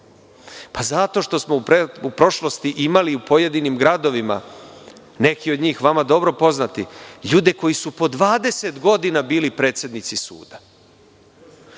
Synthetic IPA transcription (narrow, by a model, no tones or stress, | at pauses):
pazat̪o̞ʃt̪o̞smo̞pupɾo̞ʃlˠo̞st̪iʔimaliupo̞je̞d̪inimɡɾad̪o̞ʋima̰ | ne̞kiod̪ɲiːxʋamad̪o̞bɾo̞po̞znat̪iʎuːd̪e̞ko̞jisupo̞d̪ʋaːd̪e̞se̞t̪ɡo̞d̪inabiːlipɾet̪sje̞d̪nit̪sisṵːd̪̥a